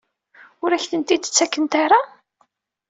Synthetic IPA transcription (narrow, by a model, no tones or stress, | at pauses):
ʊɾæçθənt̪id̪t͡sːækːənt̪aɾa